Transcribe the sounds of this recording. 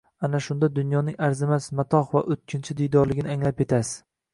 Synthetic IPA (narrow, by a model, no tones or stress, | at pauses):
anaʃʊnd̪ad̪ʊnjɒnɪŋaɾzɪmasmat̪ʰɒχva̰ʔɵt̪̚kʲʰɪnt͡ʃʰɪd̪ɪjd̪ɒɾlɪɡʲɪnɪaŋlape̞t̪ʰasɪ̥